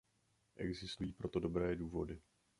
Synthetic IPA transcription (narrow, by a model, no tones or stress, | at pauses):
ʔɛɡzɪst̪ujiːpɾo̞t̪o̞do̞bɾɛːduːvo̞dɪ